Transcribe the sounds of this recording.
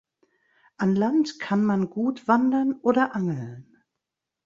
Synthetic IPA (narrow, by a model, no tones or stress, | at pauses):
ʔanlantkʰanmanɡuːtv̥andɐnʔoːdɐʔaŋl̩n